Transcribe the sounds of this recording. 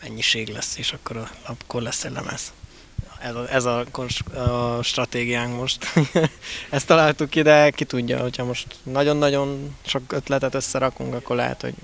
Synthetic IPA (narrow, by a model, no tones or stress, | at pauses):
mɛɲːiʃeːɡlɛsːeːʃɒkːo̞ɾɒlɒpkorlɛsːɛlːɛ̰mɛ̰z | ɛzɛzɒkonʃʃt̪rɒt̪eːɡijaːŋkmo̞ʃt̪ | ɛst̪ːɒlaːlt̪ukːid̪ɛkit̪uɟːɒ̰hocʰhɒmo̞ʃt̪nɒɟo̞nːɒɟo̞nʃo̞køt̪lɛt̪ɛt̪ø̞sːɛɾɒkuŋkɒkːo̞rlɛ̰ɦɛ̰t̪ho̞̰ɟ